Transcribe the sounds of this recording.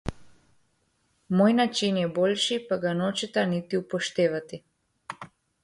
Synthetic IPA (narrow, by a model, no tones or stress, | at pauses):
mojnat͡ʃinjɛbɔlʲʃipaɡanɔt͡ʃɛt̪anit̪iupɔʃt̪ɛvat̪i